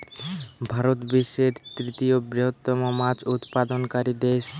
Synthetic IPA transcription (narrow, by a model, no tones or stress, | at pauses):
bʱaɾot̪biʃeɾt̪ɾit̪ijobɾeɦot̪ːɔmomat͡ɕut̪pad̪onkaɾid̪eʃ